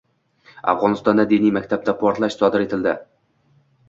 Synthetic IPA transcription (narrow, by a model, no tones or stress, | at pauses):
a̰fʁɒnɨst̪ɒnd̪ad̪enijmækʲt̪ʰap̚t̪apʰɒɾt̪lˠaʃsɒd̪ɪɾe̞t̪ʰɪld̪ɪ